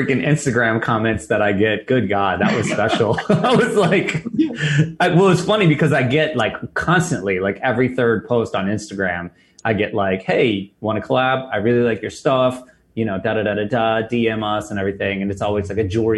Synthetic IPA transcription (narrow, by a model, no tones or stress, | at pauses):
ɪkɨ̃nɪ̰̃nstɨɡɹæ̃mkʰɑmɛ̃ntsðɨɾaɪɡɛt̚ɡ̥ʊd̚ɡɑd̚ðə̰ʔ̚wʌz̥spɛʃl̩ˠaɪwʌzlaɪk | aɪwɛlˠɨtz̥fʌnibɨkʰʌzaɪɡɛt̚laɪkʰːɑ̃nstɨ̃nʔlilaɪkɛvɹiθɜ˞d̚pʰoʊstn̩ɪ̃nstɨɡɹæ̃m | ʔaɪɡɛʔˡlaɪkheɪwɑ̃ɾ̃ɨkʰəlæbaɪɹɪlˠilaɪkjə˞stʌf | jɨñoʊdaʊɾɨɾɨɾɨdʌdiɛ̃mʌsɨ̃nɛvɹiθɪ̃ŋɨ̃nɨtsɔlˠwizlaɪkɨd͡ʒʊɹi